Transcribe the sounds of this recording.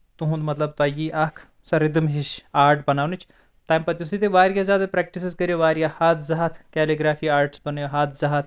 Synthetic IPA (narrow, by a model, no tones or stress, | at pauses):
t̪uɦũnd̪mɐt̪lɐb̚t̪aːjiʔaːkʰ | sɐɾid̪ɨmɦiʃaːɾʈbɐnaːʋnɨt͡ʃʰ | t̪aːjmpɐt̪ʲjusʰit̪̬eʋaːɾjazjaːd̪ɐpɾɛːk̚ʈis̬iskɐɾjeʋaːɾjahaːt̪ʰzɐɦat̪ʰkɛːliɡɾaːfiːaːɾʈsbɐnjoɦaːt̪ʰzɐɦat̪̚ʰ